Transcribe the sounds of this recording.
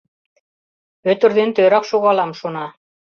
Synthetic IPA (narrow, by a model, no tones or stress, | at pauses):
ɵ̆t̪ɵ̆ɾðint̪ø̆jɾɑqʃuʁɑlˠɑmʃunɑ